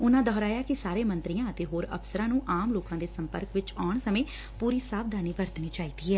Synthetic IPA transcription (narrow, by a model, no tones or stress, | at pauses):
ʊnãːd̪ʱɔːɾaːjaːkɪsaːɾeːmənt̪ɾijãːət̪eːɦoːɾə̰fsəɾãːnũːʔaːmloːkãːd̪eːsəmpə̰ɾkʋɪt͡ʃɔːɳsəmẽː | puːɾiːsaːb̚d̪aːniːbəɾt̪niːt͡ʃaːiːd̪iːɦɛː